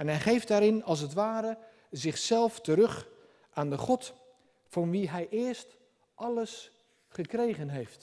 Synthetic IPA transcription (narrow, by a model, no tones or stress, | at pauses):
ɛnɦɛjχejfdaːɾɪnɑlˠs̬ətʋaːɾə | zɪχsɛlˠftəɾɵχ | ʔaːndəχɔt | fɑnʋiɦɛjʔɪːɹst | ʔɑləs | χəkrejχənɦejft